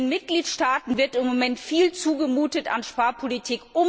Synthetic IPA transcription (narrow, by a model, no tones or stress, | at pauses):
nmɪt̚ɡ̥liːtʃtaːtn̩vɪɐtɪmːomɛntfiːlt͡suːɡəmuːtəta̰nʃpaɐpʰolitʰiːkʔʊm